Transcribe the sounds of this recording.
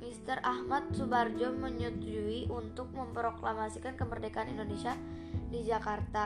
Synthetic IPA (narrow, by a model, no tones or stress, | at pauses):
mist̪ərʔahmat̪̚subard͡ʒɔməɲut̪ud͡ʒuiʔunt̪ʊk̚məmpəɾoklamasikankəmərdekaanindonesia | did͡ʒakart̪a